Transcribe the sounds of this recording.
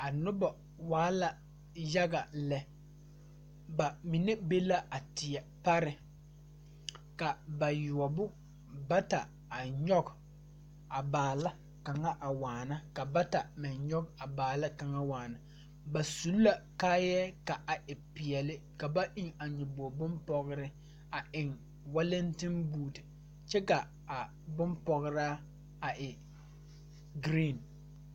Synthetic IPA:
a˨nʊ˦ba˨ | waː˦la˨ | ja˦ɡa˨lɛ˨ | ba˨mɪ˨ne˦be˦la˦a˨tɪ˨ɛ˨pa˦ɾɪ˨ | ka˨ba˨jʊ˨ɔ˨bʊ˦ | ba˦ta˨ | a˨ɲɔ˦ɡ | a˨baː˨la˦ | ka˨ŋa˦ʔa˨waː˨na˦ka˨ba˦ta˨mɪ˨nɲɔ˦ka˨baː˨la˦ka˨ŋa˦waː˨na˨ | ba˨su˨˦lla˨kaː˦jɛ˦ka˨ʔa˨ʔɪ˨pɪ˨ɛ˨lɪ˦ | ka˨ba˦ʔɪ˦˨ŋa˨ɲɪ˨bo˨bʊ˦mpɔ˨ɣɾɪ˦ | a˨ʔɪ˨ŋ | wa˦lɛ˦ntɪ˦nbuː˦˨d | t͡ʃɛ˦ka˨ | a˨ | bʊ˦mpɔ˨ɣɾaː˦ | a˨ʔɪ˨ | ɡɾi˦˨n

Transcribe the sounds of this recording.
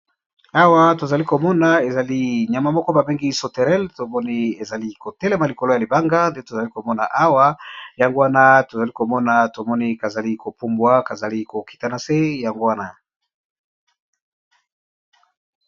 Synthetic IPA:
a˦wa˦to˨za˨li˦ko˨mɔ˦na˨e˨za˨li˦ɲa˨ma˨mɔ˦kɔ˦ba˨bi˦ŋɡi˦so˨te˨ʁɛ˦lto˨mɔ˦ni˦e˨za˨li˦ko˨tɛ˦le˦ma˨li˨ko˨lo˦ja˨li˨ba˦ŋɡa˦nde˦to˨za˨li˦ko˨mɔ˦na̰˨ʔa˦wa˦ja˨ŋɡo˦wa˦na˦to˨za˨li˦ko˨mɔ˦na˨to˨mɔ˦ni˦ka˨za˨li˦ko˨pu˦mbwa˦ka˨za˨li˦ko˨ki̥˨ta˦na˨se˦ja˨ŋɡo˦wa˦na˨

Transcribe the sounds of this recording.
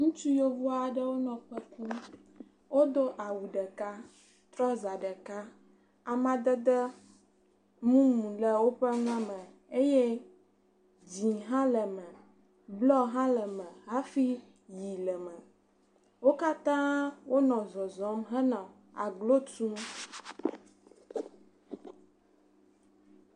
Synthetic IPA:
ŋũ˦t͡ʃu˦jo˦vu˦a˨ɖə˦wo˦nɔ̃˨k͡pɛ˦ku˦ | wo˦d̪o˦ʔa˨wu˨ɖə˨ka˦ | t̪ɾɔ˦za˨ɖɛ˨ka˦ | a˨mã˨d̪ə˦d̪ə˦ | mũ˦mũ˨lɛ˨wo˦ɸɛ˦ŋ˦ã˦mɛ̃˨ | e˦jɛ˦ | d͡ʑi˨ɦã˦lɛ˨mɛ̃˨ | blɔ˦ɦã˦ləɛ˨mɛ̃˨ɦa˦fi˦ | ji˨lɛ˨mɛ̃˨ | wo˦ka˦t̪ã˦wo˦nɔ̃˨zɔ˨zɔ̃˨˦mɦɛ˦nã˨ | a̰˨ɡlo˦tũ˦

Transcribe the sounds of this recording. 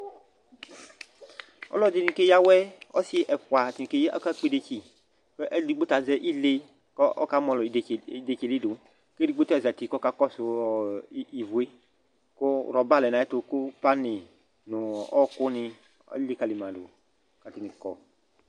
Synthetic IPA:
ɔ̰˦lɔ˦di˦nĩ˧ke˦ja˦wɛ˦ɔ˦si˦ʔɛ˨ɸwa˨ti˨n˨ke˦jɔ̰˦ka˦k͡pi˦de˧t͡ʃi˦ | ke˦ʔɛ˦li˦ɡ͡be˦ta˨zɛ˦ʔi˦le˦ | kʔɔ̰˦ka˦mɔ̃˨lɔ˨de˨ke˨li˦do˨ | ke˦di˦ɡ͡be˦tɔ˦ɛ˨za˨ti˨kɔ˦ka˦kɔ˦sʊ˨˦i˨vu˨e˦ | ko˦˨ɾɔ˨ba˦lɛ˨nã˨˦ɛ˦tʊ˧kʊ˦pa˦nɪ˨ | nʊ˨ɔ˦kʊ˦nɪ̃˧ | ɔ̰˦le˦ka˦˨li˨mã˨do̰˨˦ | ka˨ti˨nɪ̃˨kɔ˨

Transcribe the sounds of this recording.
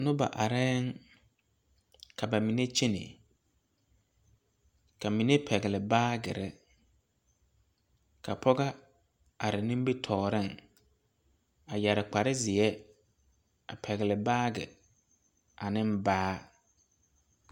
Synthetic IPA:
nʊ̃˦ba̰˨ʔa˨ɾɛː˦ŋ | kʰa˨ba˨mĩ˨ne˦t͡ʃʰi˦nɪ̰˨ | kʰa˨mĩ˨ne˦pʰɛ˨ɡɪ˨lɪ˨baː˦ɡɪ̰˨ɾɪ˦ | kʰa̰˨pʰɔ˦ɡa˦ | a˨ɾɪ˨nũ˦m˦bi˦tʰɔː˨ɾɪ˦˨ŋ | a˨ja˨ɾɪ˨k͡pa˨ɾɪ˦zɪ˨ɛ˦ | a̰˨pʰɛ˨ɣɪ˨lɪ˨baː˦ɡɪ̰˨ | a˨nɪ̃˦m˦baː˦

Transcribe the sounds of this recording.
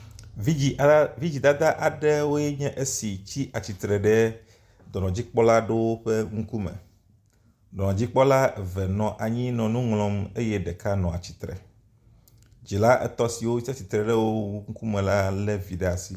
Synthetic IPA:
vi˦d͡ʑi˨d̪a˦d̪a˦ʔa˨ɖɛ˦wo˦jɛ˦ɲɛ̃˦ʔe˦si˨t͡ɕi˦ʔa˨t͡ɕi˨t̪ɾɛ˨ɖɛ˦ | d̪ɔ˨nɔ̃˨d͡ʑi˦k͡pɔ˦la˦ɖe˦wo˦ɸɛ˦ŋũ˦ku˦mɛ̰̃˨ | d̪ɔ˨nɔ̃˨d͡ʑi˦k͡pɔ˦la˦˨vɛ˨nɔ̃˨ʔa˨ɲĩ˦nɔ̃˨nũ˦ŋlɔ̃˦me˦jɛ˦ɖɛ˨ka˦nɔ̃˨a˨t͡ɕi̥˨t̪ɾɛ̰˨ | d͡ʒi˨la˦ʔɛ˦t̪ɔ˦si˨wo˦i˦ta˦t͡ɕi˨t̪ɾɛ˨ɖɛ˦wo˦wu˦ŋ̩̃˦ku˦mɛ̃˨la˦lɛ˦vi˨ɖe˦a˨si˦

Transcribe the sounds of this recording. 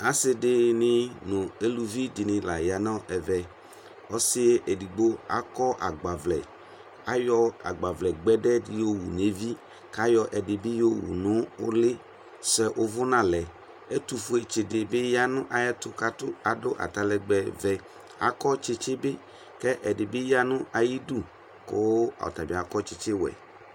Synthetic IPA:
a˨sɪ˦dɪ˨nɪ̃˦nʊ̃˨e˦lu˨vi˦dɪ˨nɪ̃˨la˨ja˨nɔ̃˦ʔɛ˨vɛ˨ | ɔ˦sɪ˦e˦ʔe˨di˨ɡ͡bo˦a̰˨kɔ˦ʔa̰˨ɡ͡ba˨vlɛ̰˨ | a˦jɔ˦a̰˨ɡ͡ba˨vlɛ˨ɡ͡bɛ˦dɛ˦dɪ˦jo˦wṵ˨ne˨˦vi˦ | ka˦jɔ˦ʔɛ˨dɪ˨bi˦jo˦wṵ˨nʊ̃˨˦ʊ˦lɪ˦ | sɛ˨ʔʊ˦vʊ˦nã˦lɛ˨ | e˦tu˨fʊ˦e˨t͡ʃɪ˨dɪ˨bɪ˦ja˦nʊ̃˦ʔa˨ja˦t̪ʊ˨ka˦tʊ˦a˨dʊ˦ʔa̰˨ta˨lɛ˨ɡ͡bɛ˨vɛ˨ | a̰˨kɔ˦t͡ʃɪ˦t͡ʃɪ˦bɪ˦ | kɛ˦ʔɛ˨dɪ˨bɪ˦ja˦nʊ̃˦ʔa˨ji˦du˦ | kʊ˦a̰˨ɔ̰˨ta˨bɪ˨a˨kɔ˦t͡ʃɪ˦t͡ʃɪ˦wɛ̰˨

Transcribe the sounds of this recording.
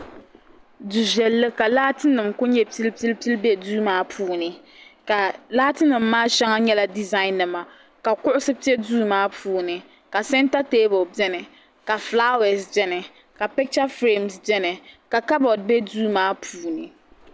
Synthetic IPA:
du˨ʒɛ˨lːɨ˦ka˨laː˦tɨ˦nɨ˨mkʊ˦ɲɛ˦pi˦lpi˦lpi˦lbɛ˦duː˦maː˦pʰuː˦nɨ˨ | ka˨laː˦tɨ˦nɨ˨mːaː˦ʃɛ˦ŋa˦ɲɛ˦la˦di˨za˦ɪ˦nːɨ˨ma˨ | ka˨kʊ˦ʔʊ˦sɨ˦pi˦ɛ˦duː˦maː˦pʰuː˦nɨ˨ | ka˨sɛ˦nta˦teː˦bɔ˨bɛ˦nɨ˨ | ka˨fla˦wɛ˨sd͡ʒɛ˦nɨ˨ | ka˨pɛ˦k̚t͡ʃa˦fɾe˦˨msd͡ʒɛ˦nɨ˨ka˨ka˦bɔ˨d̚bɛ˦duː˦maː˦pʰuː˨˦nɨ˨

